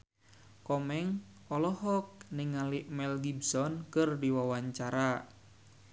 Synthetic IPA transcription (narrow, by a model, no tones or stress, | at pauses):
kɔmɛŋ | ɔlɔɦɔk̚niŋaliʔmɛlɡibsɔnkɨrdiwawaɲt͡ʃaɾa